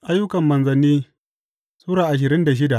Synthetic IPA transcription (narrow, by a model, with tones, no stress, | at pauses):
ʔa˦jːʊ˦kɐ˨mːɐ˨nzɐ˨nːiː˦ | sʼuː˦ɽaː˨ʔa˨ʃ̬ɪ˨ɾɪ˦nda˨ʃ̬ɪ˦da˨ʔ